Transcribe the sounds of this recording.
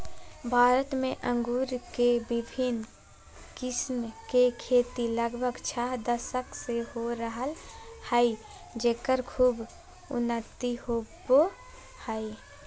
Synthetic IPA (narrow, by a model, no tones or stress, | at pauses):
bʱaːɾət̪mẽʔə̃ŋɡuːɾkebɪbʱɪn | kɪsmkekʰeːt̪iləɡbʱəɡt͡ʃʰaɦd̪əsəkseɦoɾəɦəlhəi | d͡ʒeːkəɾkʰuːb | ʊ̰nːət̪ihobo | həi